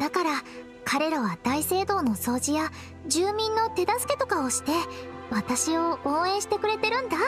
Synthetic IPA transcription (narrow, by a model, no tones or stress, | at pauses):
d̪akaɾa | kʰaɾe̞ɾaβad̪aise̞ːd̪o̞ːno̞so̞ːʑija | d͡ʑɨːmʲĩnːo̞t̪e̞d̪asɨ̥ke̞̥t̪o̞kao̞ɕi̥t̪e̞ | βat̪aɕio̞õːẽ̞ɕi̥t̪e̞kɯ̟ɾe̞t̪e̞ɾɯ̟̃nd̪a